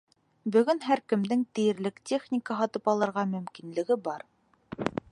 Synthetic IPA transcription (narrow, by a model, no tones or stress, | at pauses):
bɵ̆ɡɵnɦæɾkɘ̆md̪ɘŋt̪ɘ̆jɘ̆ɾlɘktʲeχnʲɪkəɦɑt̪ɤpɑlˠɤ̆ɾʁɑmɵ̆mkinlɘ̆ɡɘbɑɾ